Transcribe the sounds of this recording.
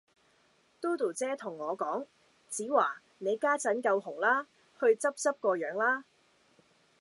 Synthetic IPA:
t̪uː˥t̪u˨˩t͡sɛː˥t̪ʰʊ˨˩ŋːɔː˨˧kɔː˨˥ŋ | t͡siː˨˥waː˨˩ | ne˨˧jkaː˥t͡sɐ˨˥nkɐ˧whʊ˨˩ŋlaː˥ | hɵ˧ɥt͡sɐ˥p̚t͡sɐ˥p̚kɔː˧jœː˨˥ŋlaː˥

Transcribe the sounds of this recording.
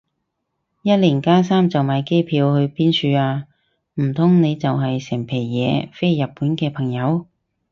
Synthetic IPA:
jɐ˥t̚liː˨˩ŋkaː˥saː˥mt͡sɐ˨wmaː˨˧jke˥jpʰiː˨˧whɵ˧ɥpiː˥nsʰyː˧aː˧ | m̩˨˩t̪ʰʊ˥ŋne˨˧jt͡sɐ˨wɦɐ˨jsɛ˨˩ŋpʰe˨˩jːɛː˨˧fe˥jːɐ˨p̚pːuː˨˥nkɛː˧pʰɐ˨˩ŋjɐ˨˧w

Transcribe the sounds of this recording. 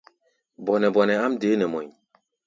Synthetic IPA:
bɔ˨nɛ˨bɔ˨nɛ˨a˦mdeː˨˦nɛ˨mɔ̰˨ɲ˨

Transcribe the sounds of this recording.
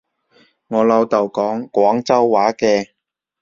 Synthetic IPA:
ŋɔː˨˧lɐ˨˧wt̪ɐ˨wkɔː˨˥ŋkʷɔː˨˥ŋt͡sɐ˥wːaː˨˥kɛː˧

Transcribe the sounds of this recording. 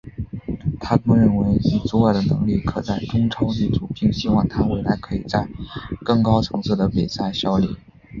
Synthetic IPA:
t̪ʰa˥kɤ˥ŋɻə˥˩nwe˧˥ɪy˨˩t͡su˥wa˥˩d̪ə˩nɤ̰˧˥ŋli˥˩kʰɤ˨˩t͡sa˥˩ɪʈ͡ʂʊ˥ŋʈ͡ʂʰɑ˥ʊt̪i˥˩ʈ͡ʂu˨˩pʰi˥˩ŋɕi˥wɑ˥˩ŋt̪ʰa˥we˥˩ɪla̰˧˥ɪkʰɤ˧˥i˨˩t͡sa˥˧ɪkɤ˥˩ŋkɑ˥ʊt͡sʰɤ˧˥ŋsʰɤ˥˩d̪ə˩pi˨˩sa˥˩ɪɕjɑ˥ʊlḭ˥˩˦

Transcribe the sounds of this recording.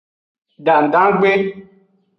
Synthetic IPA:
da˨n̩˨da˦ɡ͡be˦

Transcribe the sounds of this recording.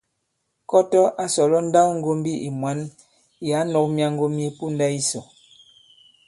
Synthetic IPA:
kɔ˦tɔ˦ʔa˦sɔ˨lɔ˦n̩˦da˦kŋ̩˦ɡo˦m˦bi˦ʔi˨mwa˨˦n | ja˨˦nɔ˨k̚mja˦ŋ˦ɡo˦mje˦pu˦n˦da˦i˦sɔ˨

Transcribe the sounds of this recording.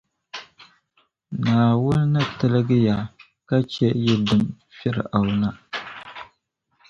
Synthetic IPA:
naː˨wʊ˦lnɨ˦tɨ˦lɨ˦ɡɨ˦ja˨ | ka˦t͡ʃɛ˦jɛ˦dɨ˨m | fɛ˦ɾɨ̰˨ʔa˨wna˦

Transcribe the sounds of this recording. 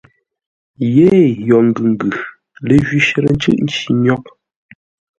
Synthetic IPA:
je˦˨jɔ˨ŋ̩˨ɡʉ˨ŋ̩˨ɡʉ˨ | le˦˨ʒɥi˦ʃə˨ɾə˦n̩˦t͡ʃɯ̰˦ʔn̩˦t͡ʃi˨ɲɔ˦k̚

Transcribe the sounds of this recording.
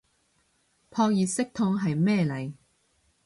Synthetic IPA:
pʰɔː˧k̚jiː˨sɪ˥k̚t̪ʰʊ˧ŋɦɐ˨jmɛː˥˧lɐ˨˩j

